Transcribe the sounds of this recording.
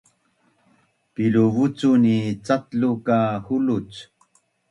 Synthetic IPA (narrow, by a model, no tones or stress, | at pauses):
piluvut͡sunit͡sat̪lukahulut͡s